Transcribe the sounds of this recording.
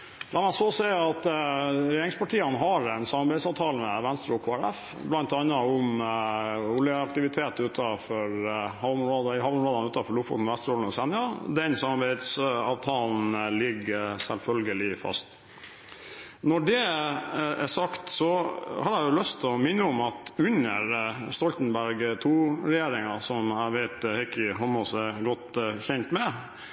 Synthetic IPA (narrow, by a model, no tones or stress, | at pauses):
b̥lɑnmæsɔsɛɑt̪ɾɛjeːɾɪŋspʰɑʈʰiːənɦɑɾɛnsɑmɑɾbæɪd̪sɑːʋt̪ʰɑːlmɛʋɛnst̪ɾkʰoːæɾæf | blɑnt̪ɑnːɑʊm | ʊljəɑkt̪ɪʋɪt̪ʰeːt̪ʉːt̪ʰɑfɔɾhɑʊmɾoːd̪hɑːʋʊmɾoːd̪ɑnʉːt̪ɑfɔɭʊfɔ̰t̪nʋɛst̪ɾɔln̩ɔsɛnɪɑd̪ɛnsɑmɑɾbæɪd̪sɑ̰ːʋt̪ʰɑːln̩lɪɡːəsɛlfœlɡəlɪfɑ̰st̪ | nɔɖɛ | ʔæsɑkt̪sɔhɑd̪æjʊlœst̪ʰɔmɪnːəʊmɑt̪ʉnəɾst̪ɔlt̪n̩bæɾɡt̪ʰuːɾɛjeːɾɪŋɑsɔmæʋæɪt̪hɛkɪɦɔmɔsɛɡɔt̪çɛnt̪mɛ